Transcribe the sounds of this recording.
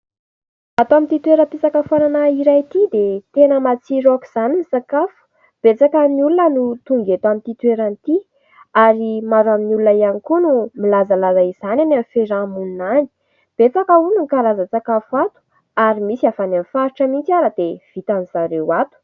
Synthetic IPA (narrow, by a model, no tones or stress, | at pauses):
at̪oamint̪it̪weɾəp̪it͡sakəfaɾanaiɾajt̪id̪et̪enəmat͡siɾoku̥z̥animisakafu̥ | b̥et͡sakəniulunənut̪uŋɡet̪amit̪it̪weɾanit̪i | aɾimaɾaminulunəianikunumilazalazaiz̥anananfeɾamunnani̥ | b̥et͡sakaunuŋkalazat͡sakafuat̪u̥ | aɾimisiafananfaɾiʈ͡ʂəmint͡siaɾəd̪ev̥it̪anizaɾewat̪u̥